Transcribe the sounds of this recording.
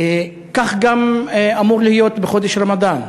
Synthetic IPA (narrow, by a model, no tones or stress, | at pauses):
kaχɡamamuʁlihijo̞t̪beχo̞d̪eʃɾamad̪an